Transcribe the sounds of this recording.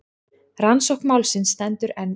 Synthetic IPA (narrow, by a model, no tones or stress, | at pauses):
ransɔwhkmawlsɪnst̪ɛnt̪ʏɾɛnː